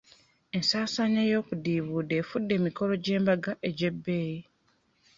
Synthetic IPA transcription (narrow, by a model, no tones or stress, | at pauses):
e̞nsaːsaɲajo̞ːkudiːβuːde̞ːfudːe̞ːmiko̞lo̞ɟe̞ːmbaɡaʔe̞ɟebːe̞ːji